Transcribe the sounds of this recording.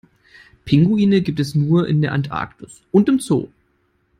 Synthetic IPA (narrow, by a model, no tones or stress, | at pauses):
pʰɪŋɡuiːnəɡiːp̚tɛsnuːɐʔɪ̰ndeːɐʔantʔa̰ɐktʰʊsʔʊntɪmt͡so̰ː